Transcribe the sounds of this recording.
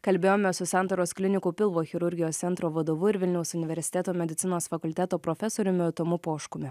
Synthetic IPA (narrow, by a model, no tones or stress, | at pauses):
kɐlʲbʲeːjoːmʲɛsʊsɑnt̪ɐɾoːsklʲɪnʲɪkuːpʲɪlˠʋoːxʲɪɾʊɾʲɡʲɪjoːst̪sʲɛnt̪ɾoːʋɐd̪oːʋʊɪɾʋʲɪlʲnʲɛʊsʊnʲɪʋʲɛɾʲsʲɪt̪ʲæːt̪oːmʲɛd̪ʲɪt̪sʲɪnoːsfɐkʊlʲt̪ʲæːt̪oːpɾɔfʲɛsoːɾʲʊmʲɪɐt̪omʊpoːʃkʊmʲɪ